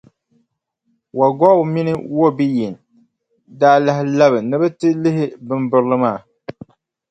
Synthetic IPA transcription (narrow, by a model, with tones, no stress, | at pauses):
wa˨ɡɔ˦˨mi˦nɨ̰˦wo˦bi˦ji˨n˨ | daː˦la˦hɪ˦la˦βɨ˨nɨ˦bɨ˦tɨ˦lɪ˦ɦɪ˦bɨ˦mbʊ˦ɾlɨ˦maː˦˨